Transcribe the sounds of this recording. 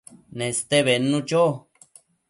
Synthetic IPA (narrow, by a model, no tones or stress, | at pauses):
nẽst̪eβenũt͡ʃo